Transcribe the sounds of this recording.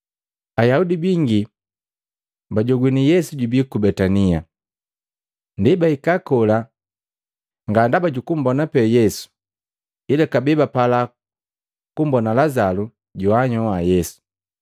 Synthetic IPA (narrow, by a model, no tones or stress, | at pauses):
ajaudibiŋɡi | baɟɔɡwinijɛsuɟubikubɛtania | ndibaikakɔla | ŋɡandabaɟukum̩bɔnapɛjɛsu̥ | ilakabɛbapala | kumbɔnalazalu | ɟɔaɲɔwajɛsu̥